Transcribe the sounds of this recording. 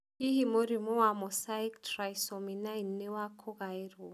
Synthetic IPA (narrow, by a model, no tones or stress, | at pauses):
iɦimoɾimuwamɔsaiktraisɔminainːewakʰɔɣaiɾu